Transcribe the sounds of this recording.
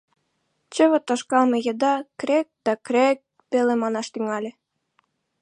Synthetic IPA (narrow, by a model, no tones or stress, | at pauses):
t͡ɕə̆βɤ̆t̪ɑʃkɑlmɤ̆jɤ̆d̪ɑkrek̚d̪̥ɑkrʲek̚ | pelemɑnɑʃt̪yŋɑlʲĕ